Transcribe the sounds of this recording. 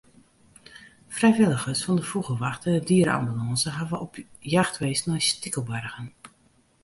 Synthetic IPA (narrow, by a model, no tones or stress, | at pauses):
frɛjʋɪlˠəɣəsfɑndəfuɣəlʋaxtədiəɾa̰mbylɑnsəɦaʋəʔɔpʰjaxtʋeːsnɔjstɪkəlˠbœrɣən